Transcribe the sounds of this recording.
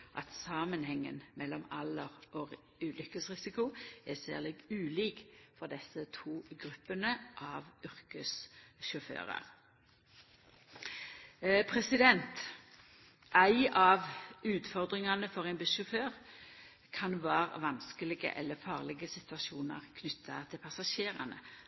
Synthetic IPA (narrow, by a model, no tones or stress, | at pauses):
ʔɑt̪sɑːmənhɛŋːə̰nmɛlːɔmɑlːəʁɔ | ʉːlʏkəsʁɪsɪkʊɛsæ̰ːʁlɪɡʉːliːkfɔʁd̪ɛsːət̪ʰuːɡʁʉpːənəʔɑʋʉʁkəsʃʊfø̰ːʁɑ̰ʁ | pʰʁɛsɪd̪ɛnt̪ | ʔæɪɑʋʉːt̪fɔʁd̪ʁɪŋɑnəfɔʁɛɪnbɪsʃʊføːʁ | kʰɑnʋɑːʁʋɑnskəlɪɡə̰ʔɛ̰lːəfɑːʁlɪɡəsɪt̪ʉɑʃuːnə̰ʁkʰnʏt̪ʰːɑt̪ʰɪlpʰɑsɑʃeːʁɑ̰nə̰